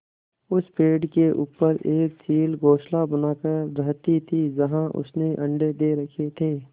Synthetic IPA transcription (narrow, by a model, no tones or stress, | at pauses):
ʊspeːɖkeʔuːpəɾʔeːk̚t͡ʃiːlɡoːʃlabənaːkəɾɾəɦt̪it̪ʰiːd͡ʒəɦãʔʊ̰sneʔɐ̃ɳɖed̪eɾɐkʰet̪ʰeː